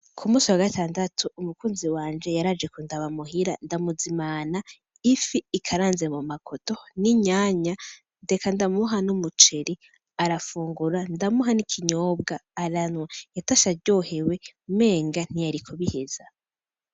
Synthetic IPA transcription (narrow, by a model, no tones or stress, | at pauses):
kʰumuːsiwaɡatʰaːndatʰuːmukuːnziwaːnd͡ʒe̞jaɾad͡ʒe̞kundaβamuɦiɾandamuzimana | ifiːkʰaɾaːnzemumakʰoto̞niɲaːɲa | nde̞kʰandamuɦanumut͡ʃe̞ɾi | aɾafuːŋɡuɾandamuɦanikʰiɲoːbɡaːɾanwajataʃaɾɟo̞he̞weme̞ːŋɡan̥ijaɾikʰoβihez̥a